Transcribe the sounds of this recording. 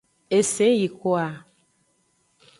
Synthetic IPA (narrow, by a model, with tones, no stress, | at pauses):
e˨se˨˦ji˨ko˦a˨